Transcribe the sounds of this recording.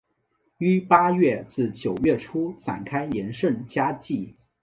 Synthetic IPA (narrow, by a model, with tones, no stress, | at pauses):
y˥pa˥ɥɛ˥˩t͡sɹ̩˥˩t͡ɕjo˨˩ʊɥɛ˥˩ʈ͡ʂʰu˥sa̰˨˩nkʰa˥ɪjɛ˧˥nʂə˥˩nt͡ɕja˥t͡ɕi˥˩